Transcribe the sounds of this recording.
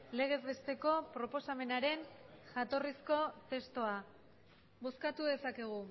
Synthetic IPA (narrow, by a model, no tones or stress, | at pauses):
le̞ɣe̞zβe̞st̪e̞ko̞pɾo̞po̞same̞naɾe̞nʝat̪o̞risko̞t̪e̞st̪oa | βo̞skat̪uðe̞sake̞ɣ̞u